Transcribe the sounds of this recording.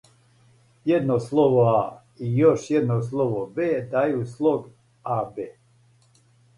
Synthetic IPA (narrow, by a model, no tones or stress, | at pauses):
jed̪noslˠoʋoa | ijoʃjed̪nos̬lˠoʋobeːd̪ajuslˠoɡ | abeː